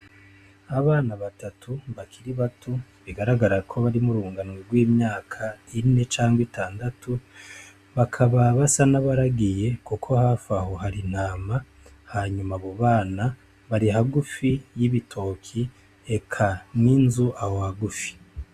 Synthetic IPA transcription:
aβaːnaβatatʰuβakʰiɾiβatʰuβiɡaɾaɡaɾakʰo̞βaɾimuɾuːŋɡanweɾɡwiːmɲaːkʰaine̞t͡ʃaːŋɡwitʰaːndatʰu | βakʰaβaβasanaβaɾaɡije̞kukʰo̞hafaho̞ɦaɾin̥haːma | haɲumaβoβaːna | βaɾiɦaɡufijiβitʰo̞kʰi | ekʰaninzuʔahohaɡufi̥

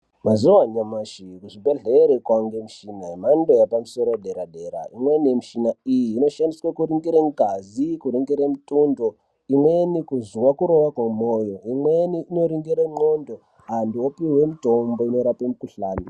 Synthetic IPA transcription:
mazuwaɲamaʃikuʐibeɮeɾekwaŋɡemiʃinamandojapamuso̞ɾoɗeɾaɗe̞ɾa̰imweniemiʃinaijiːno̞ʃandiswakuɾiŋɡiɾeŋɡʱazikuɾiŋɡiɾemitʼundo | imwenikuziwakuɾo̞wakwemojoimweniːno̞ɾiŋɡiɾeŋ͡ǃondo̞ | ɦandiopiwemitombo̞inoɾapemukuɬaːni

